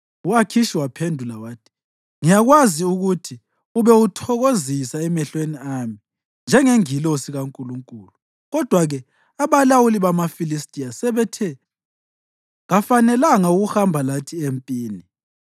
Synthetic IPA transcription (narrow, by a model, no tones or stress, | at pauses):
uwakʰiʃiwapʰendʱulawaːtʰi̥ | ŋijaɣwaziuɣutʰi | uβɛutʰɔɣozisaɛmɛɬweniami | nd͡ʒʱɛŋeŋilosiɣaŋkʼuluŋkʼuːlu | ɣɔd̥ʱwaɣɛ | aβalawuliβamafilistʼiasɛβɛtʰɛ | ɣafanɛlaŋauɣuxambʱalatʰiempʼiːni